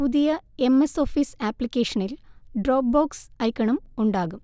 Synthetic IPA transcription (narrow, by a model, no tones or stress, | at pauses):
puðijɐe̞mːeso̞ːfiːsaːpːlikʲːeːʂɐnilɖroːb̚boːksɐjkːɐɳɐmuɳɖaːɣum